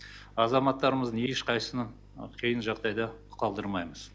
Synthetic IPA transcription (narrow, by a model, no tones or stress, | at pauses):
ɑzɑmɑt̪ːɑɾəməzd̪əneʃqʰɑjsənə | qʲʰejɪnʒɑqd̪ɑjd̪ɑqʰɑlˠd̪əɾmɑjməz̥